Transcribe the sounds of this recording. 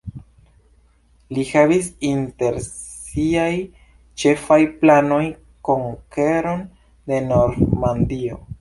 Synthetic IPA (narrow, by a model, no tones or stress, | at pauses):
lihavis̬inte̞ɾ | siaj | t͡ʃe̞fajplano̞j | ko̞ŋkeɾo̞n | de̞no̞ɾmandio̞̰